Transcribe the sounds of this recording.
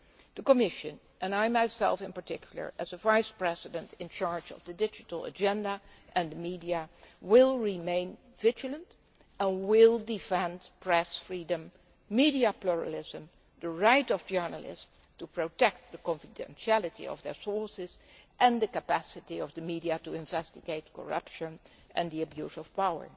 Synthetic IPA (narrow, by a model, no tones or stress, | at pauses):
ð̥əkəmɪʃɨ̃n | ʔɨ̃naɪmaɪsɛ̰lˠfɨ̃npə˞tɪkʰjl̩ˠə̰˞ʔɨzəvaɪspɹɛzɪdə̃ntɪ̃nt͡ʃɑɹd͡ʒʌ̰vðɨdɪd͡ʒɨtl̩ˠə̰d͡ʒɛ̃ndəʔɨ̃ndəmidiɨwɪlˠɹimẽɪ̃n | vɪd͡ʒəlˠə̃nt | ə̃nwɪlˠdɪfɛ̃ndpʰɹ̥ɛsfɹidə̃mː | idiəpluɹə̰lɪzə̃m | dəɹaɪtɔvd͡ʒɜ˞nəlɪ̰z | tupɹotɛk̚t̚ðəkɔ̃ɱfɪdɛ̰̃nʃiælˠɨtḭɔ̰vðə˞sɔɹsɪzʔɨ̃ndəkəpæsɨtiʌvðəmidiatuɪ̃ɱvɛstɪɡeɪt̚kɔ̰ɹʌ̰pʃɨ̃n | ʔɨ̃nðiɨbjuzɔfpawə̰˞